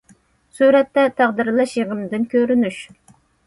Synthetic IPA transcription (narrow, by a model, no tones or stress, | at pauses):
suɾɛt̪ːɛt̪ʰæʁd̪ɨɾlˠɑʃjeʁəmd̪ɪnkʲʰøɾynyʃ